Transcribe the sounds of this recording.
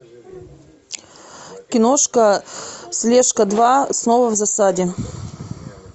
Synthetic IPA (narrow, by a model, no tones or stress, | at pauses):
kʲɪnoʂkəslʲeʂkəd̪vasnovəvzɐsadʲɪ